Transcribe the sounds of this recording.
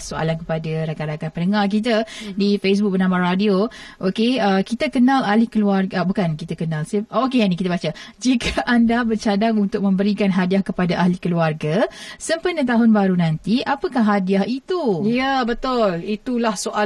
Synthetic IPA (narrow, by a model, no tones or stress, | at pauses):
soa̰lankəpadaɾakanɾakanpənəŋark̬it̪̬ədifes̬bʊk̚bərnamaradioʔokeəkit̪əkənalalikəluarɡəbukankit̪əkənãlsiʔokeanĩkit̪əbat͡ʃəd͡ʒikəʔandabərt͡ʃadaŋunt̪ʊk̚mə̃mbəɾikanɦadiahkəpadaʔaɦlikəluarɡasəmpənət̪̬aɦʊnbaɾunãnt̪iʔapəkahɦadiahit̪ujəbət̪ʊlit̪ulahsoʔa